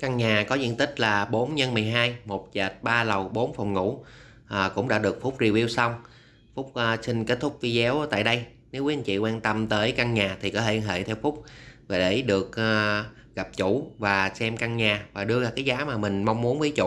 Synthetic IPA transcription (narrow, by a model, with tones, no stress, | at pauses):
ka˧ŋɲaː˨˩kɔ˨˦zḭ˧˨ənt̪ï˦˥k̟̚laː˨˩ɓo˨˦nɲə˧nmɨ˨˩əjɦaː˧jmo˨˩t̚t͡ɕə˨˩t̚ɓaː˧lə˨˩wɓo˨˦nfɔ˨˩ŋ͡mŋṵ˧˥ | ʔːkʊ̰˧˥ŋ͡mɗa̰ː˧˥ɗɨ˨˩ək̚fʊ˦˥k͡p̚zi˧əwi˧əwsa˧wŋ͡m | fʊ˦˥k͡p̚ʔːsï˧ŋ̟ke˦˥t̚t̪ʰʊ˦˥k͡p̚vi˧zɛ˨˦wt̪a̰ː˧˨jɗə˧j | ne˨˦wki˨˦ʔə˧nt͡ɕḭ˧˨kwaː˧nt̪ə˧mt̪əː˨˦jka˧ŋɲaː˨˩t̪ʰi˨˩kɔ˨˦t̪ʰe˧˩nɦḛ˧˨t̪ʰɛ˧wfʊ˦˥k͡p̚vaː˨˩ɗe˧˩ɗɨ˨˩ək̚ː | ɣa˨˩p̚t͡ɕʊ˧˩vaː˨˩sɛ˧mka˧ŋɲaː˨˩vaː˨˩ɗɨ˧əlaː˨˩kaː˨˦jzaː˨˦maː˨˩mï˨˩ŋ̟ma˧wŋ͡mmu˨˦ənvəː˨˦jt͡ɕṵ˧˨